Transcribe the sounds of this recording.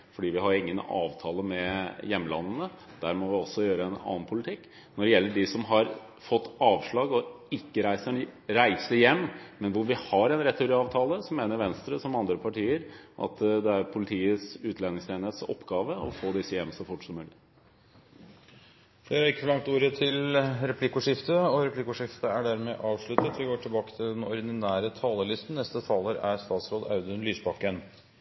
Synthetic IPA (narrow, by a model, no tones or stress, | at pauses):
fɔɖiːʋɪɦɑɾɪŋːənɑ̰ːʋt̪ʰɑːləmɛjɛmːlɑ̰nːənə | d̪̥æːɾmɔʋɪɔsːɔjøːɾəɛnɑ̰ːnpʰʊlɪt̪ʰɪkː | nɔɖɛjɛlːəɖɪsɔmɦɑɾ | fɔt̪ːɑːʋʂɭɑːɡɔ | ɪkːəɾæɪsəɳɾæɪsəjɛmːmɛnʋʊɾʋɪhɑɾɛnɾɛt̪ːuɾɪɑːʋt̪ʰɑːləsɔmːeːnəɾʋɛnst̪ɾəsɔmɑnd̪ɾəpʰɑʈiːəɾʔɑ̰t̪d̪ɛæɾpʰʊlɪt̪ʰiːəsʉːt̪ʰlɛnɪŋst̪eːnet̪sɔ̰pːɡɑːʋəɔ̰foːd̪ɪsːəjɛmːsɔfʊʈːsɔmːʉːlɪ | feːɾæɾɪkːəfɔlɑŋt̪uːɾət̪ʰɪlɾɛpʰlɪkʊʂɪft̪əɔɾɛpʰlɪkʊʂɪft̪əæɖæɾmɛʔɑːʋʂɭʉt̪ət̪ʋɪɡoːʈʰɪlbɑːkə̥t̪ʰɪld̪ɛnɔɾɪd̪ɪnæːɾət̪ʰɑːləɭɪst̪n̩nɛst̪ət̪ʰɑːləɾæɾst̪ɑːt̪sɾoːd̪ɑʉd̪ənlyːsbɑkːən